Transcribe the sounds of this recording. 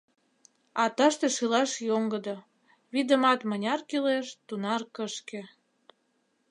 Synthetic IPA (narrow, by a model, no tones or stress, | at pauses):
ɑt̪ɑʃt̪eʃilɑʃjoŋɡəd̪ŏ | βid̪ə̆mɑt̪mənʲɑrkileʃt̪unɑrkəʃkĕ